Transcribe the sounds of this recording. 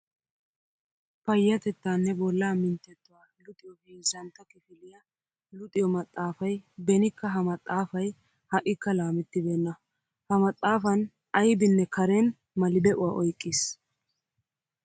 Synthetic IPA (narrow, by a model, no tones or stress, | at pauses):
fɐjːɐt̪ɛt̪ːaːnːɛbɔlːaːmɪnt̪ːɛt̪ːʊwaːlʊt̪ʼɪjɔbiːzɐnt̪ːɐkɪfɪlɪjɐ | lʊt̪ʼɪjɔmɐt̪ʼːaːfɐjbɛnɪkːɐɦɐmɐt̪ʼːaːfɐj | hɐʔɪkːɐlaːmɪt̪ːɪbeːnːɐ | hɐmɐt̪ʼːaːfɐn | ɐjbɪnːɛkʰɐɾen | mɐlɪd̪ɛʔʊwa̰ːʔɔjkʼːɪs